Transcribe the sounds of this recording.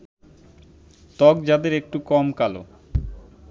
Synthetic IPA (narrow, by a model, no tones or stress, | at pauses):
t̪ɔɡd͡ʑad̪eɾek̚ʈukɔmkalo̰